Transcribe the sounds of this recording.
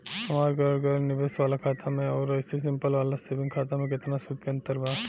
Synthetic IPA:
sɐmaːɾɡəɽɡənɪʋesʋaːlakʰaːt̪ʰamẽɔːɾɐɪses̬ɪ̃mpəlʋaːlasebɪ̃ŋkʰaːt̪amẽkɪt̪nasʊd̪keɐ̃nt̪əɾbʱaː

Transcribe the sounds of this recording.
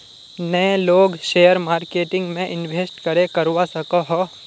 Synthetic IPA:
nɐẽloːɡʃeːjəɾmaːɾkeːʈɪ̃ŋɡmẽʔɪnʋʱeːsʈkɐɾekɐɾwasɐkoɦɔː

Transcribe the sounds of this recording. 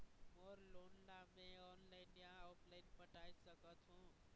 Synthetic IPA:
moɾlonlamẽɔnlajnjãuplajnpəʈajsʌkʌt͡sʰũ

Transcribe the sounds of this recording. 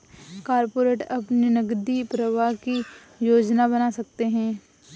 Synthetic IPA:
kaːɾpoːɾeːʈɐpninɐɡd̪ipɾəʋaɦki | joːd͡ʒnabɐnasɐk̚t̪eɦɛ̃ː

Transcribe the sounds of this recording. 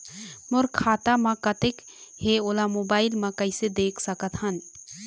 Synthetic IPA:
mʊɾkʰaːt̪amɐ̃kət̪ek | heoːlamoːbaːɪlmãkəɪsed̪eːkʰsəkət̪ɦən

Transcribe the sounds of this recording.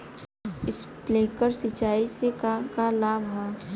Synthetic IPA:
ɪspleːkəɾsɪt͡ʃaːisekakalaːbʱɦɛ

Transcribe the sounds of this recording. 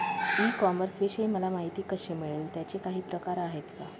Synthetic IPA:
ikɔməɾsʋeɕeməlamaɦit̪iːkəɕemiɭiːlt̪jat͡ɕekaɦiːpɾəkaɾaɦet̪ka

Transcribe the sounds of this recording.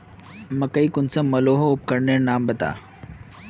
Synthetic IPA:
mɐkəikʊnsɐmɐloːɦoʊp̚kɐɾnenaːmbɐt̪a̰ː

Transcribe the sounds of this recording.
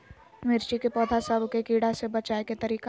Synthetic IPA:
mɪɾt͡ʃikepɔːd̪ʱasəbʱkekiːɽasebɐt͡ʃaːeket̪ɐɾiːka

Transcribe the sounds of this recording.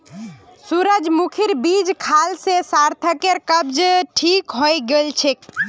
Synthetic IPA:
suɾəd͡ʒmukʰiɾbid͡ʒkʰalsesaɾt̪ʰəkeɾkəbd͡ʒʈʰikɦojɡelt͡ʃʰek

